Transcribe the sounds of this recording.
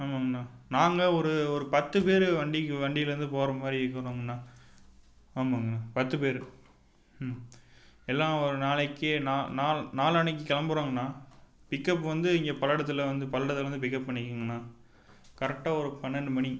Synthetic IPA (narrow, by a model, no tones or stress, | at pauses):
aːmaɡɐnːaːnaːŋɡɐɔɾɯɔɾɯpɐt̪ːɯpeːɾɯʋɐɳɖikːɯʋɐɳɖɪjɪlɐɾɯnd̪ɯpoːɾɐmaːɾiʋɪkːɐɾoːŋɡɐnːaː | aːmaːŋɡɐnːaːpɐt̪ːɯpeːɾɯ | ɛlːãːɔɾɯnaːlɛɪkːɯnaːnaːlnaːlɐɳɪk̬ːɯkɐlɐmbɯɾoːŋɡɐnːaːpɪkːɐp̬ːʋɐnd̪ɯɪŋɡɐpɐlɐɽɐt̪ːɯlʋɐnd̪ɯpɐlɐɽɐt̪ːɯlɐʋɐnd̪ɯp̬ɪkːɐppːɐɳːɪkːɯːŋɡɐnːaː | kɐɾɛk̚ʈːaːɔɾɯpɐnːɐnmɐɳi